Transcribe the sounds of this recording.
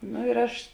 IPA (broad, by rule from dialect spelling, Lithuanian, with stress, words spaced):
noː ɪr ˈɐʃ